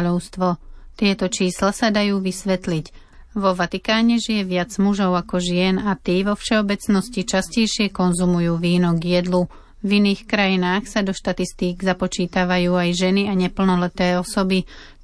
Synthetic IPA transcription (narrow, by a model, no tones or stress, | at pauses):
ʎɔʊst̪ʋɔt̪ɪɛt̪ɔt͡ʃiːslasad̪ajuːʋisʋɛt̪lic | ʋɔʋat̪ikaːɲɛʒijɛʋɪad͡zmuʒɔʊakɔʒɪɛnat̪iːʋɔfʃɛɔbɛt͡snɔscit͡ʃascɛjʃɪɛkɔnzumujuːʋiːnɔɡjɛd̪lu | viniːxkɾajinaːxsad̪ɔʃt̪at̪ist̪iːɡzapɔt͡ʃiːt̪aʋajuːajʒɛniaɲɛpl̩nɔlɛt̪ɛːɔsɔbi